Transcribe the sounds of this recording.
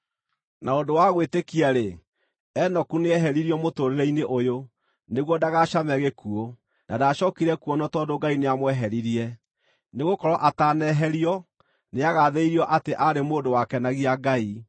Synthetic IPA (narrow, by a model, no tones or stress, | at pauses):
naodowaɣwetekiaɾe | ɛnɔkuneɛɦɛɾiɾiɔmotoːɾeɾɛineʔojo | neɣwɔdaɣaʃamɛɣekuo | nadaʃɔkiɾɛkuɔnɔtɔdoɡaineamwɛɦɛɾiɾiɛ | neɣokɔɾɔʔatanɛɦɛɾiɔ | neaɣaðeiɾiɔʔateʔaɾemoːdowakɛnaɣiaɡai